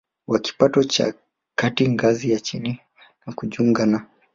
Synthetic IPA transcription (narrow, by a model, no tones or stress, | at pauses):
waki̥patɔt͡ʃa̰ | katiŋɡazijat͡ʃini | nakuʄuŋɡana